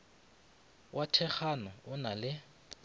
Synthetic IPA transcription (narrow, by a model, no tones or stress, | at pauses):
wʔatʰɛχanɔʊnalɪ